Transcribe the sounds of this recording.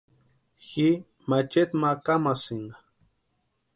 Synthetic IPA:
xi | mat͡ʃet̪makamasiŋɡa

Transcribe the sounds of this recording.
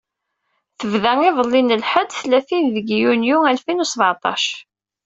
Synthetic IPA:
θəvðæŋɪðˤəlːinəlħəd̪θlæθinðəɡjunjuælfinusbʕɑt̪ˤɑ̰ʃ

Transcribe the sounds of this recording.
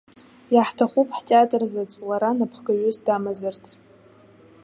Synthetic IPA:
jaħtʰaχʷupʰʼħtʼeatʼrzat͡sʷʼlaɾanapʰχɡaɥʊsdamazɨrt͡sʰ

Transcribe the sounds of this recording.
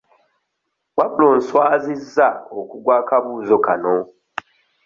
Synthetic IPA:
waβuloːnswaːzizːaokuɡwaːkaβuːzo̞kano

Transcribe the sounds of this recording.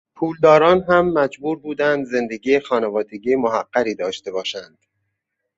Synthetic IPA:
pʰuːld̪ɒːɾɒːnɦæmːæd͡ʒbuːɾbuːd̪ænd̪ze̞nd̪e̞ɡiːexɒːnevɒːd̪e̞ɟiːmoɦæɡːæɾiːd̪ɒːʃt̪e̞bɒːʃænd̪̥

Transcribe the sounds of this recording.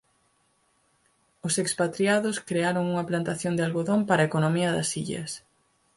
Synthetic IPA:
ʊsekspat̪ɾjaðʊskɾeaɾoŋuŋɐplant̪aθjond̪ɪalɣoðompaɾɐekonomiɐðɐsiʎɐ̰s

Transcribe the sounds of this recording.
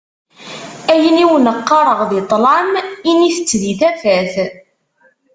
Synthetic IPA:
æjəniwnəqːɑɾˤəʁðet̪ˤlɑminiθət͡sːðiθæfæθ

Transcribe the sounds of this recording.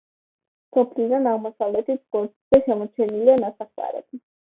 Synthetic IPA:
sɔpʰlid̪anaʁmɔsavlɛt̪it̪ʰɡɔɾt̪iz̥ɛʃɛmɔt͡ʃʰɛnilianasaχt̪ʼa̰ɾɛ̰bi

